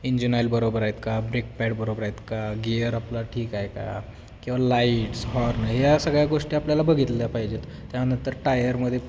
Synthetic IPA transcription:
iɲd͡ʑinajlbəɾobəɾaɦjt̪kabɾek̚pɛɽbəɾobəɾaet̪kaɡeəɾaplaʈʰiːkajka̰ | kĩw̃ʋalaiʈsɦɔɾnɦjasəɡɭjaɡoʂʈiapljalabəɡʱit̪ljapaɦid͡ʑet̪ | t̪janənt̪əɾʈajəɾməd̪ʱːje

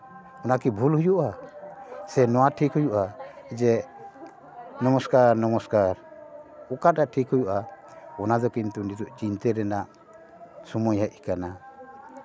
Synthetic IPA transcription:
ɔnakibʱulhujuʔa | sɛnɔwaʈʰikɦujuʔaɛd͡ʒɛ | nɔmɔskaɾnɔmɔskaɾɔkaɾ̚aʔʈʰikhujuʔa | ɔnad̪ɔkint̪unid͡ʒɔʔt͡ʃint̪ɛɾɛnaʔ | sɔmɔjhəʔikana

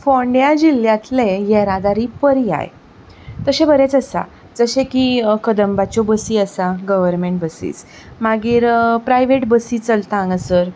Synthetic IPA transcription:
foɳɖjad͡ʑiljãt̪lejeɾad̪aɾiːpəɾia̰j | t̪əɕẽbəɾet͡səsa̰ | d͡zəɕẽkikəd̪əmbat͡ɕobəsiːəsaɡəʋəɾmeɳʈ̚bəsḭːt͡s | maɡiːɾpɾajʋeʈbəsiːt͡səlt̪ãŋɡəsəːɾ

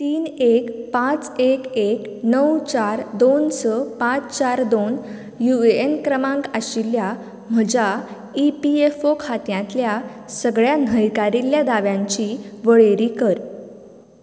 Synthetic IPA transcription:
t̪iːnekpãt͡sekek | nəwt͡ɕaɾd̪onsəpãt͡st͡ɕaɾd̪on | juenkɾəmãŋkaɕilja | m̤əd͡ʑa | ipiefokʰat̪jãt̪lja | səɡɭjanəjkaɾiljad̪aʋjãɲt͡ɕiʋəɭeɾikəɾ

